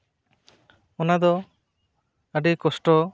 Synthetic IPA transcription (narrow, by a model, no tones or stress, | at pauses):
ɔnad̪ɔ | əɖikɔsʈɔ